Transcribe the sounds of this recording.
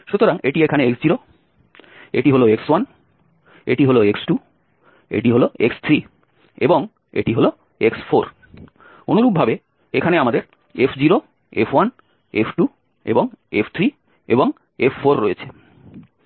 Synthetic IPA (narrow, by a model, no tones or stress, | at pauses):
ʃut̪oɾaŋeʈiekʰaneeksd͡ʑiɾo | ḛʈiɦoloekswan | ḛʈiɦoloeksʈu | ḛʈiɦoloekst̪ʰɾi | eboŋ | ḛʈiɦolo | eksfʰoɾ | onuɾuk̚bʱabe | ekʰaneamad̪eɾ | efd͡ʑiɾo | ḛfʰwan | epʰʈu | ḛboŋepʰt̪ʰɾi | ḛboŋ | efːoɾːoet͡ɕʰe̥